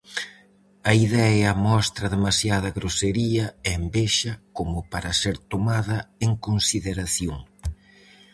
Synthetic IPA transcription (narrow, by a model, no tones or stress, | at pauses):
ɐiðɛɐmɔst̪ɾɐðemasjað̞ɐɣɾoseɾiɐembeʃɐkomʊpaɾɐseɾt̪omaðɐeŋkonsiðeɾaθjoŋ